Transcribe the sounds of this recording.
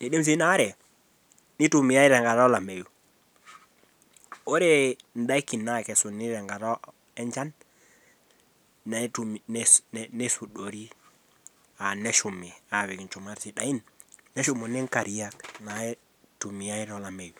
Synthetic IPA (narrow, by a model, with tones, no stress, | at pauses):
ne˨ɗe˦ms̬i˦na˦ɾɛ˨ | ni˦tu˨mi˨a˦i˦ɾɛ˨ŋɡa˨ɾɔ˦la˨me˨ju˨ | o˦ɾe˦n˨da˦i˦ki˨nːa˦˨kɛ˨su˨ni˦ɾɛ˨ŋɡa˨ɾɔ˦ | ɛ˦ɲd͡ʒa˦n | na˨˦tunne˦su˨ɗo˨ɾi˦ | a˨nɛ˦ʃu˨mi˨a˨βi˨knt͡ʃu˨ma˦ɾsi˨ɗa˨i˦nːɛ˦ʃu˦mo˨nɛ˦ŋka˨ɾi˨ja˦kna˨˦ | tu˨mi˨ja˦i˦ɾɔ˦la˨me˨ju˨